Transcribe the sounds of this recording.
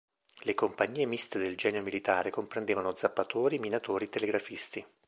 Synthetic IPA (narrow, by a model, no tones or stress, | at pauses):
lekompaɲːiːemist̪ed̪eld͡ʒɛːneomilit̪aːɾekompɾend̪eːvanod̪zːapːat̪oːɾiminat̪oːɾit̪eleɡɾafist̪i